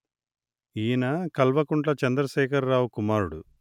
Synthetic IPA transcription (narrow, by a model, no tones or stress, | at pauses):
iːnɐkɐlʋɐkuɳʈlɐt͡ʃɐnd̪ɾɐʃɛːkɐɾːaːwukumaːɾuɽṵ